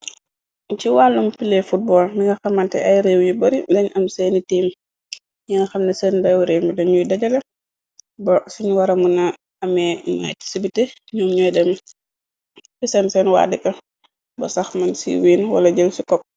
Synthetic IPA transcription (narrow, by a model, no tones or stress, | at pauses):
ciwalːumpilɛfut̚bɔːlniŋɡɐxɐmːɐntɛ̰ʔɐjɾeːwjibɐɾidɐɲɐmsɛnitiːm | ɲiŋɡɐxɐmnɐsɛːndɛwɾeːmidɛnɲujdɐɟɐlɐ | bɐsiɲuwɐɾɐmunɐ | ɐmɛma̰ːti̥sibitɛ | ɲɔːmɲɔjdɛm | fisɛnsɛnwa̰ːdikɐ | bɐ̰sɐxmɐnsḭwiːnwɐ̰lɐɟɐlsikɔp̚